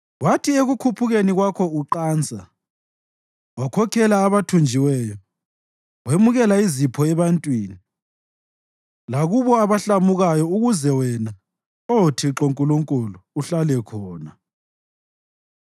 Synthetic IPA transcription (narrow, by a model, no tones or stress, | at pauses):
watʰieɣukʰupʰuɣeniɣwakʰɔuǃaːnt͡sʼa | wakʰɔkʰɛlaːβatʰund͡ʒʱiwɛjɔ | wemuɣɛlaizipʰɔɛβantʼwiːni | laɣuβɔaβaɬamuɣajɔuɣuzɛwɛna | otʰiǁoŋkʼuluŋkʼuluːɬalɛkʰɔːna